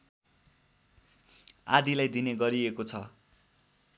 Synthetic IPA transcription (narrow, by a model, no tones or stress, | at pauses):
a̰d̪ilajd̪ineɡʌɾiekot͡sʰʌ̰